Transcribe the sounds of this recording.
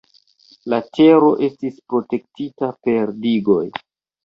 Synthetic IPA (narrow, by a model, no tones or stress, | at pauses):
late̞ɾo̞ʔe̞stispɾo̞te̞k̚titape̞ɾdiɡo̞j